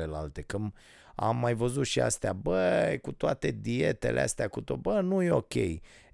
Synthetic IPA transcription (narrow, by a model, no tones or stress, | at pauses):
e̞lalt̪e̞kɨm | a̰mːajvəzut̪ʃia̰st̪eabəkut̪oat̪e̞d̪ie̞t̪e̞̰lʔḛa̰st̪eakut̪obənujeo̞kʲe̞̰j